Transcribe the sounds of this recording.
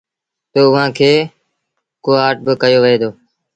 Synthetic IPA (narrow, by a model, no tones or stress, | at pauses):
t̪oːʊʋãːkʰeː | koːɦaːʈ̚bɪkəjoːʋəeːd̪oː